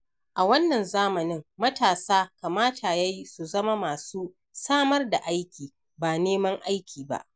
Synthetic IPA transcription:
ʔa˨wɐ˦nːɐ˨nzaː˦mɐ˨nɪ˦ŋmɐ˦taː˨saː˦ka˨maː˦tʰa˨ja˦ji˦su˨zɐ˦ma˦maː˨suː˦ | saː˦mɐ˦rda˨ʔa˦jkʲiː˨ | baː˨neː˦mɐ˦ŋʔa˦jkʲʰiː˨ba̰˦ʔ

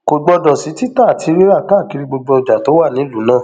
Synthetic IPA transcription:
ko˨ɡ͡bɔ˧dɔ̃˨si˨˦ti˦ta˦˨tʰi˨˦ɾe˦ɾa˦˨ka˦˨ki˧ɾi˧ɡ͡bo˧ɡ͡bɔ˧˨d͡ʒa˨to˨˦wa˦˨nĩ˨˦lu˨˦nãː˦˨

